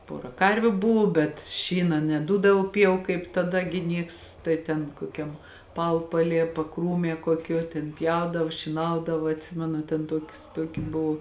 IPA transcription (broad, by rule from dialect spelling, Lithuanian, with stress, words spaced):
ˈpoːrɐ ˈkɐrʲʋʲʊ ˈbʊʋʊ bʲɛt ˈʃʲiːnɐ nʲɛˈduːdɐʋoː ˈpʲjɛʊ kɐɪp tɐˈdɐ ɡʲɪ ˈnʲiɛks ˈtɐɪ tʲɛn koːˈkʲɛm ˈpɐʊpɐˌlʲiɛ pɐˈkruːmʲiɛ kuɔˈkʲuɔ tʲeːn ˈpʲjɛʊdɐw ʃʲiːˈnɐʊdɐʋɐ ɐtʲˈsʲɪmʲɛnʊ tʲɛn ˈtuɔkʲʊs ˈtuɔkʲɪ ˈbʊw